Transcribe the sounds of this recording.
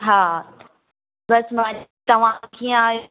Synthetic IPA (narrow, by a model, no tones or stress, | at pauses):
ɦãː | bɐsmad͡ʑt̪ɐʋ̤ãkʰĩãj